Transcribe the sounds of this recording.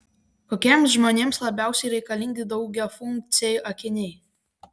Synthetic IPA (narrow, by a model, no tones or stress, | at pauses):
koːkʲeːmsʒmoːnʲeːmslˠɐbʲæˑʊsʲɛɪɾʲɛɪkɐlʲɪːŋʲɡʲɪd̪ɒʊɡʲɛːfʊŋʲk̚t̪sʲɛjuʔɐkʲɪnʲɛː